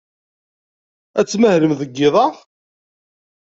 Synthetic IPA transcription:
æt͡sːməhɾəmðəɡːɪðˤɑ

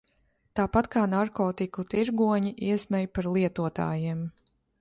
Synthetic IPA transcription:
t̪aːpat̪kʰaːnaɾkɔːt̪ikut̪iɾɡuɔɲiʔiɛsmɛjpaɾlˠiɛt̪uɔt̪a̰ːjiɛm

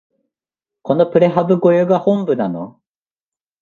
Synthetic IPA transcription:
kʰonopɯ̟ɾeɦabɯɡojoɡahombɯnano

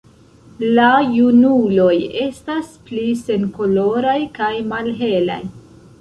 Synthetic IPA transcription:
lajunulo̞je̞stasplise̞nko̞lo̞ɾajkajmalɦe̞la̰j

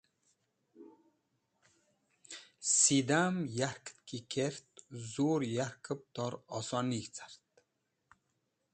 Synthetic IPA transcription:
sid̪amjaɾkt̪kikʰeɾt̪̚zuːɾjaɾkʰəp̚t̪ɔɾɔ̰sɑnikt͡sʰḁɾt̪

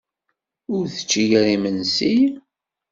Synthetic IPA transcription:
ʊɾθə̥t͡ʃːiʝæɾimənsij

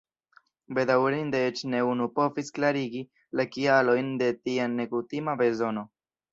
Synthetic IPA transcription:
be̞dawɾindeet͡ʃne̞unupo̞visklaɾiɡi | lakialo̞jnde̞tiane̞kutimabe̞zo̞no̞

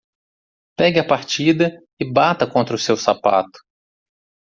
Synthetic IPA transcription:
pɛɡʲɪɐpaɾt͡ʃid̪ɐ | ɪbat̪ɐkõnt̪ɾɐʊsewsapa̰t̪ʊ̥

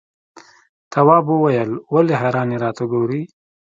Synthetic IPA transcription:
t̪ʰawɑːbəwajəlwaleɦaɾɑːneɾɑːt̪uɡoɾi

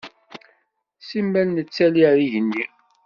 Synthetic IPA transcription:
simːælnət͡sːæliɾiʝənːi

